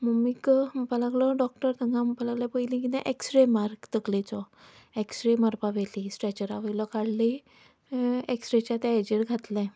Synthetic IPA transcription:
mumikpəlaɡlɔɖɔk̚ʈəɾt̪əŋɡãmpəlaɡlãpəjlĩkit̪ɛ̃ʔeksʈɾemaɾkt̪əklet͡sɔ | eksʈɾemaɾpaʋelisʈɾet͡ɕəɾaʋəjlɔkaɽli | eksʈɾet͡ɕat̪ɛad͡ʑiɾɡʱat̪lɛ̃

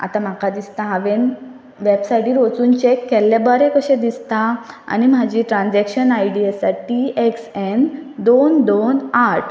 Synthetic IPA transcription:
a̰t̪ãm̤akad̪ist̪ãɦãʋen | ʋebsajʈiːɾot͡suːnt͡ɕekːɛlːɛbɔɾɛ̃kəɕɛ̃d̪ist̪aa̰nim̤ad͡ʑiʈɾãnd͡ʑɛkɕənajɽiəsaʈieksɛnd̪ond̪onaɾʈʰ

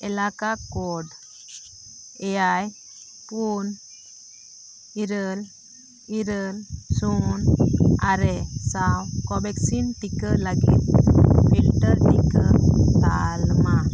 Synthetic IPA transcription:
ɛlakakɔɖ | ɛjaj | pun | iɾəl | iɾəlsonaɾesawkɔbɛksinʈikəlaɡḭt̪̚fʰilʈəɾʈikət̪a̰lma

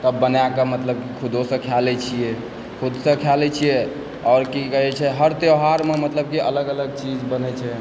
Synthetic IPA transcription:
t̪əbːənjakemət̪ləb̚kikʰud̪ʱosə̃kʰjalɛt͡ʃʰijɛ | kʰud̪sə̃kʰjalɛt͡ʃʰijɛ | ɔɾkikəɦɛt͡ʃʰɛɦəɾt̪eɦaɾmemət̪ləb̚kiʔələɡələɡ̚t͡ʃid͡ʒbənɛt͡ʃʰɛ

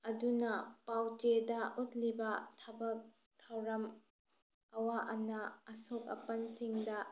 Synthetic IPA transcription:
ɐdunɐpawt͡ʃedɐʔot̚libɐtʰɐbɐk̚ | tʰɐwɾɐm | ɐwaʔɐnɐɐsok̚ɐ̰pɐnsiŋdɐ

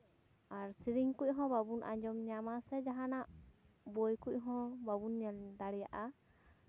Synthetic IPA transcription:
aɾsiɾiŋkuc̚ɦɔ̃babunʔa̰ɲd͡ʒɔmɲamasɛd͡ʒaɦanaʔ | bojkuc̚ˀɦɔ̃babunad̪aɽɛjaʔa

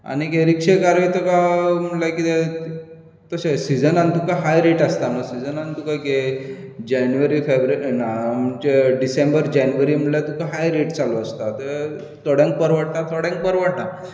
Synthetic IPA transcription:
a̰ñikeɾikʂekaɾʋit̪əkaməlakit̪e | t̪əsẽsid͡zənant̪ukaɦajɾeʈəst̪anəsid͡zənant̪ukake | d͡ʑanʋəɾiːfebɾnaməd͡ʑeɖisembəɾd͡ʑanʋəɾiːməlat̪ukaɦajɾeʈt͡saloəst̪at̪ə | t̪ɔɽjãŋk̚pəɾʋaɽ̚t̪at̪ʰɔɽjãŋk̚pəɾʋaʈʈa

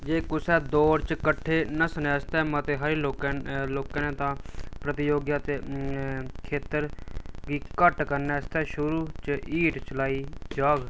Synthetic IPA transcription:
d͡ʒeːkʊsɛːd̪ɔːɾt͡ʃkəʈʰːeːnəsənɛːst̪ɛːmət̪eːɦəɾeːloːkːloːkãːnẽːt̪ãːpɾət̪ɪjoːɡjaːt̪eː | kʰeːt̪əɾɡiːkəʈkəɾnɛːəst̪ɛːʃʊɾuːt͡ʃiːʈt͡ʃəlaːiːd͡ʒaːɡ

